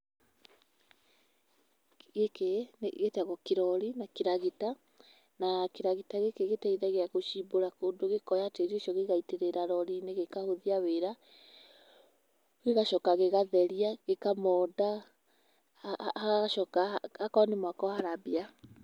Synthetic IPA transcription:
ɣekeneɣetaɣɔkeɾɔɾinakeɾaɣita | nakeɾaɣitaɣekeɣetaiðaɣeaɣoʃiboɾakondoɣekɔjateɾioʃɔɣeɣaiteɾeɾaɾɔɾineɣekahoðiaweɾa | ɣeɣaʃɔkaɣeɣaðɛɾiaɣekamɔda | haɣaʃɔkahakɔnemwakɔhaɾabia

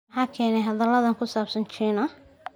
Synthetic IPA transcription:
ħɑːkʰɛːnɛjɦɐðɐlɐðɐŋkʰʊsaːbsɐnt͡ʃʰiːnɐ

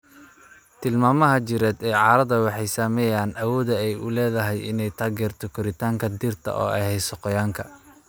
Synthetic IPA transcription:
t̪ʰɪlmaːmɐɦɐt͡ʃɪɾɛːd̪ɛːʕɑːɾɐðɐwɑħɑjsaːmɛːjaːnʔɐwɔːðɐɛjʊ̰lɛːðɐɦɛjɪ̰nɛjt̪ʰaːɡɛːrt̪ʰɔkʰɔɾɪt̪ʰaːŋkʰɐd̪ɪrt̪ʰɐ̰ʔɔ̰ːʔɛ̰jhɛjsɔqɔjaːŋkʰɐ

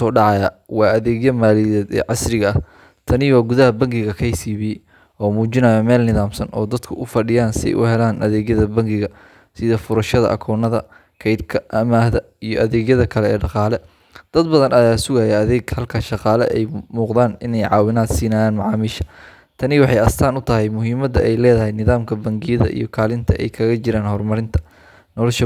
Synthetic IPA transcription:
ɔːɖɑʕɑjɐ | wɑːɐðɛːɡjɐmaːliðɛːd̪ɛ̰ːʕɑsɾɪɣɐɐh | t̪ʰɐnɪwɑːɡʊðɐɦɐbɐŋɡɪɣɐkʰɐjsiːβɪjɛj | ʔɔːmuːt͡ʃɪnɐjɐmɛːlnɪðaːmsɐnʔɔːd̪ɐd̪kʰʊʔʊfɐɖɪjaːnsɪɛ̰jʔʊhɛlaːnʔɐðɛːɣjɐðɐbɐŋɡɪɣɐ | sɪðɐfʊɾɐʃɐðɐ̰ʔɐ̰kʰɔːnɐðɐ | kʰɐjd̪kʰɐʔɐmaːhðɐ | ijɔʔɐðɛːɡjɐðɐkʰɐlɛɛːɖɑqɑːlɛ | d̪̥ɐd̪bɐðɐnɐjaːsʊɣajɐɐðɛːɡhɐlkʰɐʃɑqɑːlɛ̰ʔɛjmuːqðaːnɪnɛjʕɑːwɪnaːd̪siːnaːjaːnmɑʕɑːmiːʃɐ̥ | t̪ʰɐnɪwɑħɑjɐst̪ʰaːnʊt̪ʰɐɦɛjmʊɦiːmɐd̪ɐʔɛjlɛːðɐɦɛjnɪðaːmkʰɐbɐŋɡɪjɐðɐ̰ʔḭjɞkʰaːlɪnt̪ʰɐʔɛ̰jkʰɐɣɐt͡ʃɪɾaːnhɔrmɐɾɪnt̪ʰɐ̥ | nɔlɔʃɐ

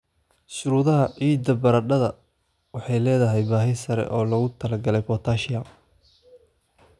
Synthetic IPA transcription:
ʃʊɾuːðɐɦɐʕiːd̪ɐbɐɾɐɖɐðɐ | wɑħɑjlɛːðɐɦɛjbaːɦɪsɐɾɛ̰ʔɔːlɐɣʊt̪ʰɐlɐɡɐlɛjpʰɔt̪ʰaːʃɪjɐ

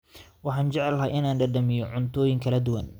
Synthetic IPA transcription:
wɑħɑːnd͡ʒɛʕɛlɦɐːʔɪnaːnɖɐɖɐmɪjɔʕʊnt̪ʰɔːjɪŋkʰɐlɐd̪ʊwɐn

